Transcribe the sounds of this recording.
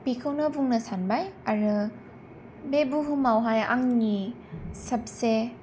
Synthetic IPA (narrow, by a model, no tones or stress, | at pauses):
pikʰɯwnɯbʱuŋnɐsanbajaɾɯ | bebuɦumawɦaja̰ŋni | sɐp̚se